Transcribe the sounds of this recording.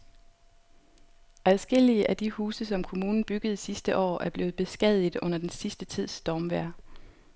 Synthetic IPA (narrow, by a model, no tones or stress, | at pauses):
ʔæðˠsɡ̥el̰iəʔæd̥ihuːsəsɒ̽mkʰo̝muːnn̩b̥yɡ̥əð̞̩ˠsisd̥əʔɒ̰ːʔæɐb̥le̝ːʊð̩ˠb̥e̝sɡ̥ɛð̰ˠiðˠɔ̽n̰ɐd̥ensisd̥ət͡sʰið̞̰ˠsd̥ɒːmʋæɐ̰